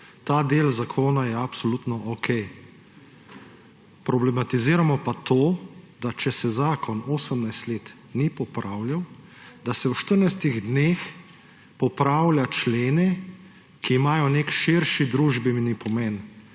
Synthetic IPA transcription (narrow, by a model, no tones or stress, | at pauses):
t̪aːd̪eːlzakʰoːnajɛapsɔlut̪nɔʔɔkʰɛj | pɾɔblɛmat̪iziːɾamɔpat̪oːd̪at͡ʃɛsɛzaːkɔnoːsəmnajst̪leːt̪ | nipɔpɾaːwlʲjawd̪asɛwʃt̪əɾnajst̪iɣd̪neːx | pɔpɾawlʲjat͡ʃleːnɛ | kiːmaːjɔnekʃiɾʃid̪ɾuːʒbəmnipɔmɛn